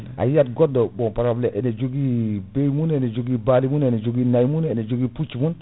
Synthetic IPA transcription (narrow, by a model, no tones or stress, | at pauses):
a̰jat̚ɡɔdobɔpaɾableʔɛned͡ʒoɡibejmunɛned͡ʒoɡibalimunened͡ʒoɡinajmunɛned͡ʒoɡiput͡ʃimun